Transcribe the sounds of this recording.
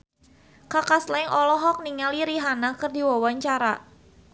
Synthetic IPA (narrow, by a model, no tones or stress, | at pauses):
kakaslɛŋʔɔlɔɦɔk̚niŋaliɾiɦanakɨrdiwawaɲt͡ʃaɾa